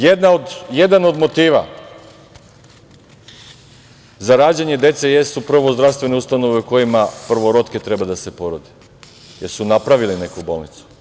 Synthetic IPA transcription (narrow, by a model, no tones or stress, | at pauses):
jed̪naod̪je̞d̪ano̞d̪mo̞t̪iːʋa̰ | zaɾaːd͡ʑeɲe̞d̪e̞t̪se̞jest̪uprɾ̩ʋo̞zd̪ɾaʋst̪ʋe̞neust̪ano̞ʋeuko̞jimapr̩ʋo̞ɾo̞t̪ke̞t̪ɾe̞bad̪ase̞po̞ɾod̪i | je̞ɾsunapɾaʋiline̞kubo̞ːlˠnit̪su̥